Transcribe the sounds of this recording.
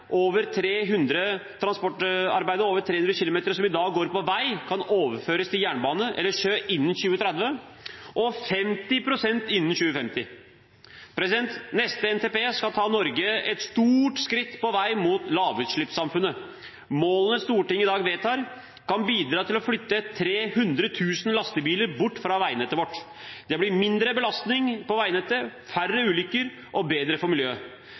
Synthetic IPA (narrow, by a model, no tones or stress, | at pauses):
ʔoːʋəɾt̪ʰɾeːɦʉnd̪ɾət̪ʰɾɑnspɔʈːɑ̰ɾbæɪd̪əɾoːʋəʈ̪ʰɾeːʉnd̪ɾəçɪlʊmeːt̪əɾsɔmɪd̪ɑːɡɡoːɾpɔʋæɪkʰɑnoːʋəɾføːɾəst̪ʰɪljæːɳəbɑːnəʔɛ̰lːəʂøːʔɪnːən̩ɕʉːət̪ʰɾæd̪ʋəʔɔfɛmt̪ɪpʰɾʊsɛnt̪ɪnːən̩ɕʉːəfɛmt̪ɪ | pʰɾɛsɪd̪ɛnt̪nɛst̪əɛnt̪ʰeːpeːskɑlt̪ʰɑːnɔɾɡəɛt̪st̪uːʈskɾɪt̪ːpɔʋæɪmuːt̪lɑːʋʉːt̪ʂɭɪpsɑmfʉnːə | moːlnəst̪uːʈɪŋːɪd̪ɑːɡʋeːt̪ʰɑːɾ | kɑnbiːd̪ɾɑːt̪ʰɪlɔflʏt̪ːət̪ʰɾeːhʉnd̪ɾət̪ʰʉːsənlɑst̪əbiːləɾbʊʈːfɾɑʋæɪənɛt̪ːəɾʋɔʈː | d̪ɛblɪmɪnd̪ɾəbəlɑst̪nɪŋpɔʋæɪnɛt̪ːəɾfærːəʉːlʏkəɾ | ʔɔbeːd̪ɾəfɔɾmɪljøː